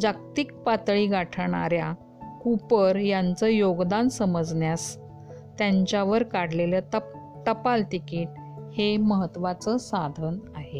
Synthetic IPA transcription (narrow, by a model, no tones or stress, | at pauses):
d͡zakt̪ik̚pat̪ɭiːɡaʈʰɳa̰ɾja | kupəɾjant͡səjoɡd̪ansəməd͡zɳjas | t̪jaɲt͡ɕjaʋəɾkaɽ̤lelət̪ə | t̪əpalt̪ikiːʈ̚ | heməɦət̪ːʋat͡səsad̪ʱənaɦe